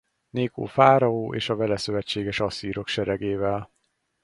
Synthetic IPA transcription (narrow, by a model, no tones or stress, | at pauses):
neːko̰ːfaːɾɒoːʔḛːʃɒvɛlɛsø̞vɛt͡ʃːeːɡɛʃɒsiːɾo̞kʃɛɾɛɡeːvɛl